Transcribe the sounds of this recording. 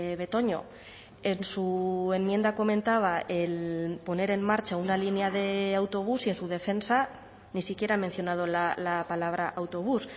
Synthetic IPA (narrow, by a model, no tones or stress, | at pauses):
βe̞t̪o̞ɲo̞̰ | e̞nsue̞mmːje̞nd̪ako̞mẽ̞nt̪aβ̞aelpo̞ne̞ɾe̞mːaɾt͡ʃaunalineaðe̞awt̪o̞β̞usie̞nsuð̞e̞fe̞nsa | nisikje̞ɾamẽ̞n̟θjo̞nað̞o̞lalapalaβ̞ɾaʔawt̪o̞β̞us